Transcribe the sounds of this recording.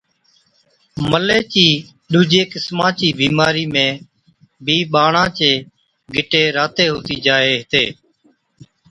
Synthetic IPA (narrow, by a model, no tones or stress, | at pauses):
məleːt͡ʃiː | ɗuːd͡ʒeːkɪsmãːt͡ʃiːbiːmaːɾiːmẽː | bʱiːɓaːɳãːt͡ʃeː | ɡʱɪʈeːɾaːt̪eːɦoːt̪iːd͡ʒaːeːɦɪt̪eː